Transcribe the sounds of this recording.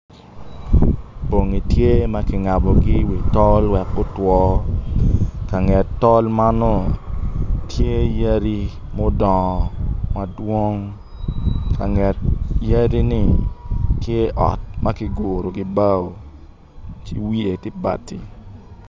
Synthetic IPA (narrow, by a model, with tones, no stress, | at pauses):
bo˨ŋi˨tje˦ma˦kɪ˨ŋa˨bɔ˨ɡɪ˦wi˨tɔ˦lwɛ˨kːo˦twɔ˦ | ka˨ŋɛ˨ttɔ˦lma˦nɔ˦ | tje˦ja˦ɾi˦ | mo˦dɔ˨ma˨dwo˦ŋ | kʰa˨ŋɛ˨tja˦ɾi˦nɪ˦˨tje˦ʔɔ̰˨t̚ma˦ki˦ɡo˨ɾo˨ɡɪ˨˦ba˦o˨ | t͡ʃḭ˦wi˦e˨ti˦ba̰˨ti˨